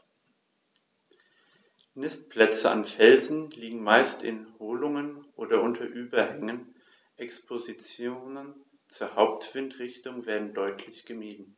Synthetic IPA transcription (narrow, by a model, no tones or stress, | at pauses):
nɪst̚pʰl̥ɛt͡səʔa̰nfɛlzn̩liːɡŋ̩maɪstʰɪ̰nhoːlʊŋənʔoːdɐʔʊntʰɐʔyːbɐhɛŋən | ʔɛkspʰozit͡sjoːnən | t͡suːɐhaʊp̚tv̥ɪntʁ̥ɪçtʊŋveːɐdn̩dɔʏtʰlɪçɡ̥əmiːdn̩